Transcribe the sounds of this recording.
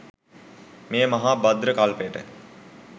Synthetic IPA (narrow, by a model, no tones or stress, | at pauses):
meːmɐɦaːbad̪ɾəkalpəjəʈə̰